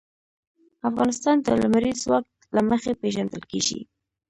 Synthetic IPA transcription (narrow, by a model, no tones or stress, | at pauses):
afɣɑnɪst̪ɑnd̪əlamaɾizwak̚t̪laməxepeʒand̪əlkḛɡḭ